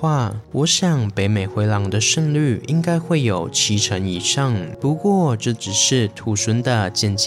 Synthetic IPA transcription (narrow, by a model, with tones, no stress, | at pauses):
wa˥˩wɔ˧˥ɕjɑ˨˩ŋpe˧˥ɪme˨˩ɪxwe˧˥ɪlɑ˧˥ŋd̪ə˧ʂə˥˧ŋly˥˩i˧˥ŋka˥ɪxwe˥˩ɪjo˨˩ʊt͡ɕʰi˧˥ʈ͡ʂʰə˧˥ŋi˨˩ʂɑ˥˩ŋpu˧˥kwɔ˥˧˩ʈ͡ʂɤ˥˩ʈ͡ʂɻ̩˨˩ʂɻ̩˥˩t̪ʰu˨˥swə˧˥nd̪ə˨t͡ɕjɛ˥˧nt͡ɕ